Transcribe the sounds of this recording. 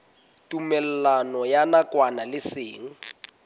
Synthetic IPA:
tʼumɛlɛlanɔjanakwanalɪsɪːŋ̩

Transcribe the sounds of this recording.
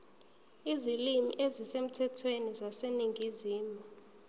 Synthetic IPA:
izilimḭʔezisem̩tʰɛtʰwenizaseniŋʱiziːmɔ

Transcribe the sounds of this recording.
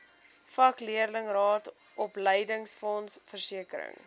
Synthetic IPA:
fɐkliərləŋrɑːt | ʔɔpləjdəŋsfɔnsfərsiəkəɾə̰ŋ

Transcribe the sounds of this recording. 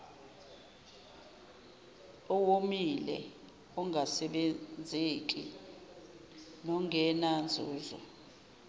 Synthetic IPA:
ɔwomilɛ̰ | ɔŋʱasɛɓend͡zʱek̬ʼḭ | nɔŋʱɛnand͡zʱuːzɔ̰

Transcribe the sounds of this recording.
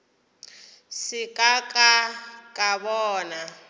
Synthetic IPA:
sɪkʼakʼakʼaβɔːna

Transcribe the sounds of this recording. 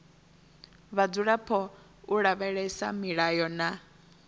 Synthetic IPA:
βad͡zuɺapʰɔ | uɺaβɛɺɛsamiɺajɔna

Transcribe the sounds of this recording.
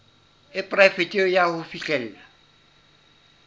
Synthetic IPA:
ɪpʼrɛfɪtʼiɔjahʊfit͡ɬʼɛl̩la

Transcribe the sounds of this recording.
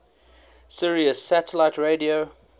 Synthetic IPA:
sɪɹiəsætəlaɪtɹeɪdio

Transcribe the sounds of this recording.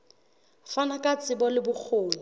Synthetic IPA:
fanakʼat͡sʼɪbɔlɪbʊk͡xʰoːlɪ

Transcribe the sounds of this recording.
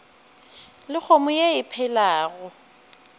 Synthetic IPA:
lɪk͡xʰomʊjeɪpʰɛlaːɣʊ

